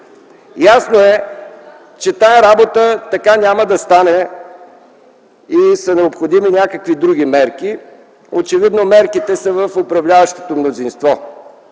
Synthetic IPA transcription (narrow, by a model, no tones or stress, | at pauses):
jasnoɛ | t͡ʃɛt̪aɛɾabot̪ət̪ɐkanʲaməd̪ɐst̪anɛ | isənɛopxod̪iminʲakəkvid̪ɾuɡʲimɛɾki | ot͡ʃɛvid̪nomɛɾkit̪ɛsəvəfopɾɐvlʲavəʃt̪o̥t̪omnozinst̪vɔ